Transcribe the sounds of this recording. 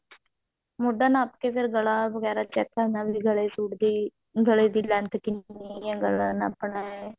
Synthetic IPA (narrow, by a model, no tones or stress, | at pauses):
mʊɖaːnaːpkeːpʰɪɾɡəlãːʋəɡɛːɾaːt͡ʃɛːkːənaːbiːɡəɭeːsuːʈd̪iː | ɡəɭeːd̪iːlɛ̃nt̪kɪneãːɡəlãːna̰ːpɳaːɛ